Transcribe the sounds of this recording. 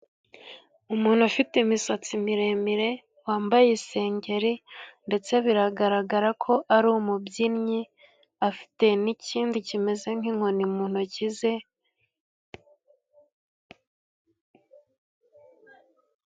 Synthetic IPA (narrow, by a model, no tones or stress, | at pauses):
umuːn̥huafitimisat͡simiɾemiɾe̞ | waːmbajese̞ːɲɟe̞ɾinde̞t͡se̞βiɾaɡaɾaɡaɾakʰo̞ʔaɾumubɟinɲi | afi̥te̞niciːndicime̞ze̞ŋ̥iŋ̥ho̞nimuːn̥hucize̞